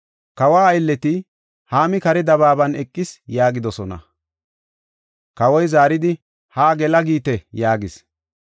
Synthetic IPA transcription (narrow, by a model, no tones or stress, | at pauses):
kɐwaːɐjlːɛt̪ɪ | haːmɪkɐɾɛd̪ɐβaːbɐnɛkʼːɪsjaːɡɪd̪ɔsɔnɐ̰ | kɐwɔjzaːɾɪd̪ɪ | haːɡɛlɐɡiːt̪ɛjaːɡɪs